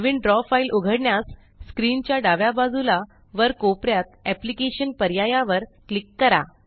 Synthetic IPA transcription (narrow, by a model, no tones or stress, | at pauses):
ʋiɳɖɾɔfailʔuɡʱəɽɳjasː | kɾint͡ɕjaɖaʋjabad͡zula | ʋəɾkopɾjat̪̚æplikeɕənpəɾjajaʋəɾklikːəɾa